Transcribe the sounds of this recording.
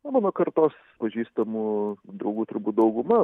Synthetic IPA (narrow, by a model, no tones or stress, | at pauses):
nɐmɑːnoːkɐrt̪oːs | pɐʒʲiːst̪ɐmuːd̪ɾɐʊɡuːt̪ʊɾbuːt̪̚d̪ɐʊɡʊmɐ